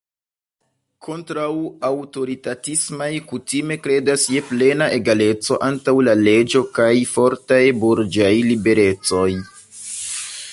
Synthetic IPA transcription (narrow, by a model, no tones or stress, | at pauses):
kʰo̞ntɾawawto̞ɾitatismajkutime̞kɾe̞dasje̞ple̞naʔe̞ɡale̞t͡so̞̰ʔantawlale̞d͡ʒo̞kajfo̞ɾtajbuɾd͡ʒajlibe̞ɾe̞t͡so̞j